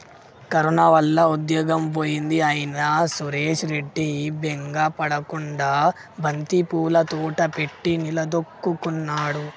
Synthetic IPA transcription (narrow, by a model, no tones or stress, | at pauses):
kɐɾunaʋɐlːɐud̪jɔːɡɐmpoːjind̪iaːjɐnɐsuɾeːʂɾe̞ɖːibeŋɡapɐɽɐkuɳɖaː | bʱɐnt̪ipuːlɐt̪uːʈɐpe̞ʈːinilɐd̪okːukunːaːɽu